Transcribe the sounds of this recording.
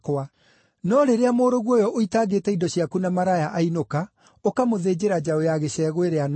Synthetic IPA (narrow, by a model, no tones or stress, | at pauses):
koa | nɔɾeɾeamoːɾoɣwɔjɔʔoitaːɡeːtɛidɔɕjakunamaɾajaʔainoka | okamoðed͡ʑeɾad͡ʑaojaɣeɕɛɣweɾean